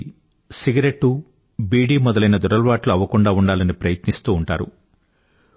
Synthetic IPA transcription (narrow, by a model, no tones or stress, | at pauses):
siɡɐɾeʈːu | biːɖiːmɔd̪ɐlɐjnɐd̪ɔɾɐlʋaːʈluɐʋːɐkuɳɖaːuɳɖaːlɐnipɾɐjɐt̪nist̪uːɳʈaːɾṵ